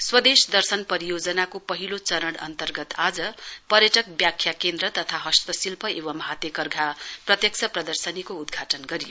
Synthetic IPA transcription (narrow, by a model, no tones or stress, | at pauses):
swʌd̪esd̪ʌrsʌnpʌɾijod͡zʌnakopʌɦilot͡sʌɾʌɽʌ̰nt̪ʌrɡʌt̪ad͡zʌpʌɾjʌʈʌk̚bjakʰːjakend̪ɾʌt̪ʌt̪ʰaɦʌst̪ʌsilpʰʌewʌmɦat̪ekʌrɡʱaprʌt̪jʌk̚sʰʌprʌd̪ʌrsʌnikoud̪ɡʱaʈʌnɡʌɾijo